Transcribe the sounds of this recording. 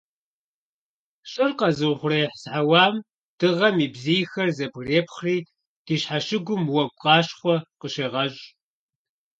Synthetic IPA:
ɕʼɨrqɐzɨwʷχʷʊrɐjħsħawɑːm | d̥ɨʁɐmiːbzijxɐrzɐbreːpʰχriː | d̥iːɕħaʃɪɡʷʊmwɐɡʷʼqʼɑːɕχʷɔqəɕeːʁɐɕʼ

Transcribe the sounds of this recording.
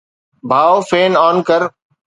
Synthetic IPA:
bʱaːofeːnaːnkəɾ

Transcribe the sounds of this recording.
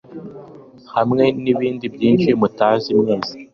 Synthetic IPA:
hamŋe̞niβiːndibjiːnʃimutaːzimŋeːza

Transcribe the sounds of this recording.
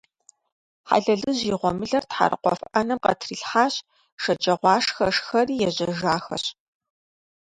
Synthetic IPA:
ħa̰ɮɐɮɨʑiːʁʷɔmɨɮɐrtħa̰rɨ̰qʷɔ̰fʔɐnɐmqɐ̰tʰriːɬħaːɕ | ʂɐd͡ʒʼɐʁʷɑːʂxɐʂxɐriːjɛʑɐʒaːxɐ̰ɕ

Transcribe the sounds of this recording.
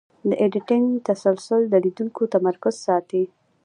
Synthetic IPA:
d̪əʔeɖɪʈɪŋt̪asalsʊld̪əlid̪uŋkot̪amaɾkʊz̥sɑt̪i

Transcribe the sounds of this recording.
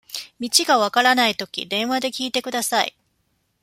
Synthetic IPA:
mʲit͡ɕiɡaβakaɾanait̪o̞kʲḭd̪ẽ̞ɰ̃βad̪e̞kʲiːt̪e̞kɯ̟d̪asaḭ

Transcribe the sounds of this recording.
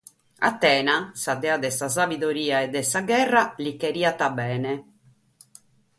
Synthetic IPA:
a̰t̪ːɛːnasad̪ɛːad̪ɛsas̬avid̪oɾiːaɛd̪ːɛsaɡɛrːalikeɾiːat̪abɛːnɛ

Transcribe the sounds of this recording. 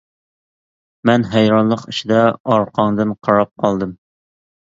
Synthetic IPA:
mɛnɦæjɾɑnlˠəqiʃid̪ɛɑɾqʰɑŋd̪ɨnqʰɑɾɑp̚qʰɑlˠd̪ɨm

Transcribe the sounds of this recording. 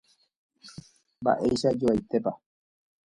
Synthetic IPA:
mba̰ʔe̞jʃad͡ʒoajt̪e̞pa

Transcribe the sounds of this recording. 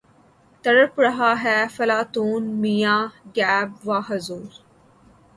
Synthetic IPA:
t̪ɐɽəpɾɐɦaːɦɛːfɐlaːt̪uːnmijãːɡɛːbʋaːɦɐzuːɾ

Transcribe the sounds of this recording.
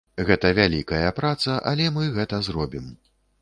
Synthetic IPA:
ɣɛt̪ɐvʲalʲikɐjɐpɾat̪sɐʔɐlʲɛmɨɣɛt̪ɐzɾɔbʲim

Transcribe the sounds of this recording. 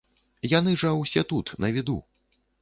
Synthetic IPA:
janɨʐɐwsʲɛt̪ut̪nɐvʲid̪ṵ

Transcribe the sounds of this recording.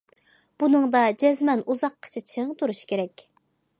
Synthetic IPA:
b̥unɨŋd̪ɑd͡ʒɛzmɛnuzɑqqʰːə̥t͡ʃʰit̪ʰʃiŋt̪ʰuɾuʃkʲʰeɾɛkʲ

